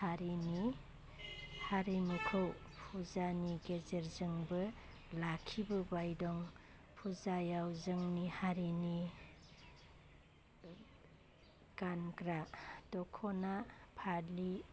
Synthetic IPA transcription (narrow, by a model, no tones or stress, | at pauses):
haɾini | haɾimɯkʰɯwpʰuzaniɡezeɾzɯŋbɯ | lakʰibɯbajdɔŋpʰuzajawzɯŋnihaɾini | ɡ̥anɡɾadɔkʰɔnapʰali